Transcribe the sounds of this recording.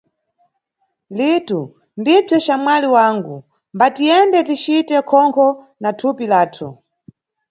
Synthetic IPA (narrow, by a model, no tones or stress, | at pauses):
litu | ndib͡ʐɔt͡ʃamwaliwaŋɡu | mbatijɛndɛtit͡ʃitɛkʰɔŋkʰɔ | natʰupilaːtʰṵ